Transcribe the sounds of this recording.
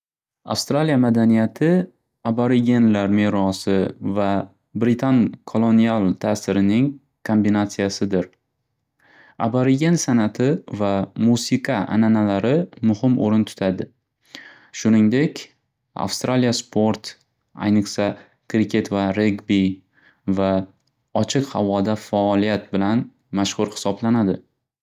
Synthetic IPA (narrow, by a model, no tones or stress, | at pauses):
a̰fst̪ɾalijamad̪anijat̪ʰɪ | abaɾiɡʲenlaɾmeɾɒsɪva | bɾɪt̪ʰankʰolˠonialˠt̪ʰasɪɾɪnɪŋ | kʰombinat̪sijasɪd̪ɪɾ | a̰baɾiɡʲensanat̪ʰɪvamusiqʰɑʔa̰nanalaɾɪmʊhɪmʔo̰ɾɪnt̪ʰʊ̥t̪ʰad̪ɪ | ʃʊnɪŋd̪e̞kʲ | a̰fst̪ɾalijaspʰo̞ɾt̪ | a̰jnɨχsa | kɾɪkʲʰe̞t̪vaɾeɡbi | va | ɒt͡ʃʰɪqhavɒd̪afaɒlijat̪̚bɪlan | maʃhʊɾhɪ̥sɒblanad̪ɪ